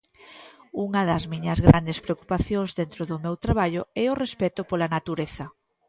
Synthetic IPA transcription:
uŋɐðɐzmiɲɐzɣɾa̰nd̪espɾeoku̥paθjõŋzðent̪ɾoðʊmewt̪ɾaβ̞aʎʊɛʊrespɛt̪ʊpolanat̪uɾeθɐ

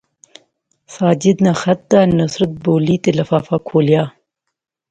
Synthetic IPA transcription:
sɑːd͡ʒɪd̪naxat̪̚d̪anɐsɾət̪̚boːlit̪elɐfaːfakʰoːljɑː

